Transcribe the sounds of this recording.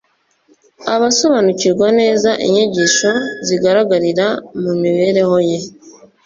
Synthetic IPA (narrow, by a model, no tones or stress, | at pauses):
aβaso̞βanuciɾɡwane̞ːzaʔḛɲeɟiʃo̞ziɡaɾaɡaɾiɾamumiβe̞ɾe̞ho̞je̞